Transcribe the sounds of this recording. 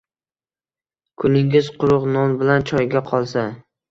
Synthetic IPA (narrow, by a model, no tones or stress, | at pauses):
kʰʊnɪŋɪzqʰʊɾʊqnɒnbɪlant͡ʃʰɒjɡʲaqʰɒlˠsa